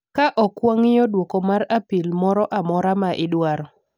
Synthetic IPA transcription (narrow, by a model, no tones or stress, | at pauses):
kaʔɔkwoŋɪjɔdwɔkɔmarapilmɔɾɔʔamɔɾamaʔɪdwaɾɔ